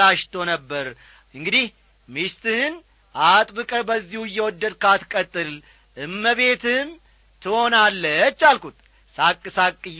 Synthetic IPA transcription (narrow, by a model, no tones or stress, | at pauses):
aʃt̪ʰonəbːəɾ | ɨŋɡɨd̪ih | mist̪ɨn | ʔat̪ʼbɨkʼəbəzːihujːɛwɔd̪ːəd̪kat̪kʼət̪ʼːɨl | ʔɨmːəβe̞t̪ʰɨm | t̪ʰɨho̞nalːət͡ʃːalkut̪ʼ | sakʼːɨsakʼːɨ